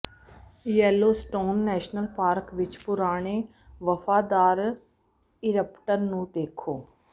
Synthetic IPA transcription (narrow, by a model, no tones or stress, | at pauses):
jɛːloːsʈoːnːɛːʃnəlpaːɾkʋɪt͡ʃpʊɾaːɽ̃e | ʋəfaːd̪aːɾ | ɪɾəpʈənːũːd̪eːkʰoː